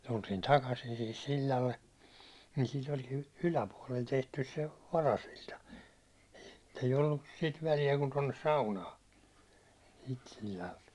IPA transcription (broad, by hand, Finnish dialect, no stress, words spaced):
tultiːn tɑkɑsin sihis silʲːɑlːe niːn siːt olʲkin ylæpuɑ̹lel tehtys se ʋɑrɑsilʲtɑ eij olːus sit ʋælijæ kun tonːes sɑunɑː siːt silʲːɑlt